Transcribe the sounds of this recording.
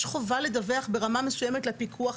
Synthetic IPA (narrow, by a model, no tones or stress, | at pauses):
ʃχo̞valed̪aveaχbeʁamamesujemetlepikʰuaχ